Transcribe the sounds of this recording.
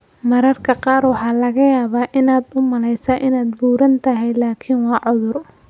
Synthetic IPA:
mɐɾɐrkʰɐqɑːrwɑħɑːlɐɣɐjaːβaːʔɪnaːd̪ʊmɐlɛjsɐʔɪnaːd̪buːɾɐnt̪ʰɐɦɛjlaːkʰɪnwɑːʕʊðʊr

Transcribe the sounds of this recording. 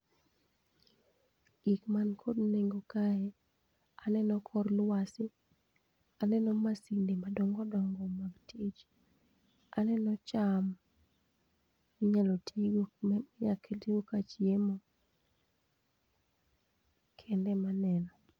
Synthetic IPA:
ikmankʰodneŋɡokajɛ | anɛnɔkʰɔrlwasɪ | anɛnɔmasindemadoŋɔdɔŋɡɔmaɡtʰit͡ʃ | anɛnɔt͡ʃam | iɲalotʰiɡjakʰeltiɡokat͡ʃiemo | kʰɛndɛmanɛnɔ

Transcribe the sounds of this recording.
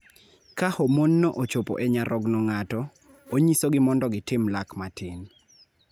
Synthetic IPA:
kahomonːɔʔot͡ʃopo̰ʔɛɲaɾɔɡnɔŋatɔ | oɲisoɡɪmɔndɔɡɪtɪmlakmatʰɪn

